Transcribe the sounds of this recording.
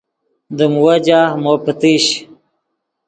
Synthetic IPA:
d̪əmwɐd͡ʑaːmopət̪iɕ

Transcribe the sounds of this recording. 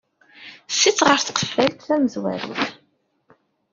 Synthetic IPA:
sːit͡sːʁəɾθqə̥fːælt̪θæməzwæ̰ɾḭθ

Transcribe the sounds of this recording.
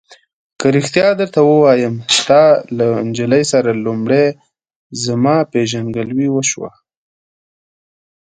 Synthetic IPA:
kəɾixt̪jɑd̪əɾt̪awəwɑjəmst̪ɑland͡ʒələjsaɾalumɽe | zəmɑpeʒanɡəlwiwəʃwa̰

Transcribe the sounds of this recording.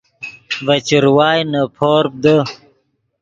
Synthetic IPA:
vɐt͡ɕiɾwaːjnɐpʰoːɾp̚d̪ə

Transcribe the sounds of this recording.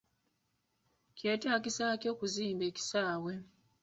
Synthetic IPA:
ceːtaːkisacjo̞ːkuziːmbe̞ːci̥saːwe̞

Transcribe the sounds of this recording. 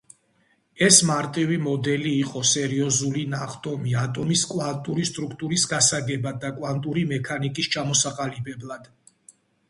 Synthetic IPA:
ɛsmaɾt̪ʼivimɔd̪ɛliːqʼɔsɛɾiɔzulinaχt̪ʼɔmiat̪ʼɔmiskʼwant̪ʼuɾist̪ʼɾukʰt̪ʼuɾisɡasaɡɛbad̪ːakʼwant̪ʼuɾimɛkʰanikʼist͡ʃʰamɔsaqʼalibɛblˠad̪̥

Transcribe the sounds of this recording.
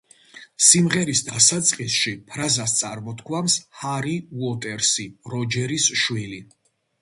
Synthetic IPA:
simʁɛɾisd̪asat̪sʼqʼisʃipʰɾazast̪sʼaɾmɔt̪kʰwamshaɾiuɔt̪ʼɛɾsiɾɔd͡ʒɛɾisʃwili

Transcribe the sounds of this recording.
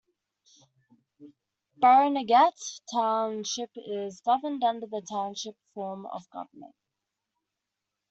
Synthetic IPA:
b̥aɹnəɡætʰːãʊ̃nʃɪpɪzɡʌvə̃ndʌ̃ndəðətʰãʊ̃nʃɪpfɔːmə̰vɡʌ̰vəmə̰̃nt

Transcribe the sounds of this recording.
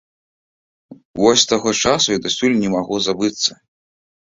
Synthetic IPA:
vɔsʲst̪aɣɔt͡ʂasujid̪asʲulʲnʲɛmaɣuzabɨt̪sːɐ

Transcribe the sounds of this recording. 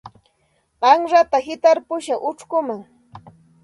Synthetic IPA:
ɢɑŋɾat̪ahɪt̪aɾpʊʃaʔʊʈ͡ʂkʊmaŋ

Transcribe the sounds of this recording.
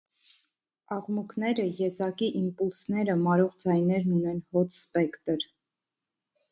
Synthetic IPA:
ɑʁmukʰnɛɾəjɛzɑkiʔimpulsnɛɾəmɑɾɔʁd͡zɑjnɛɾnunɛnhɔt̪ʰspɛkt̪əɾ

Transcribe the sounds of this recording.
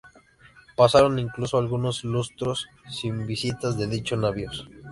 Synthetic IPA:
pasaɾoniŋklusoalɣuno̞slust̪ɾosː | imbisit̪azðe̞ðit͡ʃoznaβjos

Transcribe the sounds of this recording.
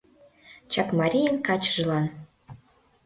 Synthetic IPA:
t͡ɕɑkmɑɾʲijəŋkɑt͡ɕəʒlɑn

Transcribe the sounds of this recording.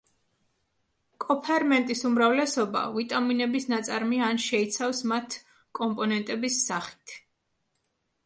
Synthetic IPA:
kʼɔpʰɛɾmɛnt̪ʼisumɾavlɛsɔba̰vit̪ʼaminɛbisnat̪sʼaɾmianʃɛit̪sʰafsmat̪ʰ | kʼɔmpʼɔnɛnt̪ʼɛbisːaχi̥t̪ʰ

